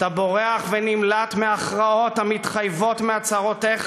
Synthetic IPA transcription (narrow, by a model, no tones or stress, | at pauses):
t̪abo̞ʁeaχvenimlat̪meaχʁao̞t̪hamit̪χajvo̞tmeat͡saʁo̞t̪eχ